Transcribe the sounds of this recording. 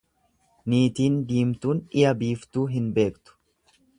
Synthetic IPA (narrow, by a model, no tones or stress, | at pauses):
niːt̪iːnd̪iːmt̪uːnɪjɐbiːft̪uːɦɪnbe̞ːkt̪ʊ̥